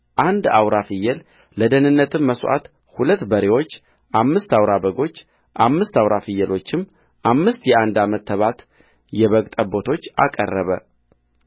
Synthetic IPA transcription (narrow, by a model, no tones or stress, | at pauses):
ʔand̪awɾafɨjːɛl | ləd̪ənɨnːət̪ʰɨmːəsʔa̰t̪ | hulət̪ːbəɾewo̞t͡ʃː | ʔamːɨst̪awɾabəɡo̞t͡ʃː | ʔamːɨst̪awɾafɨjːəlo̞t͡ʃːɪm | ʔamːɨst̪jɛʔand̪amət̪ʰːəβat̪ | jɛβəkʼt̪ʼəbo̞t̪ʰo̞t͡ʃːa̰kʼə̰rːəβə̰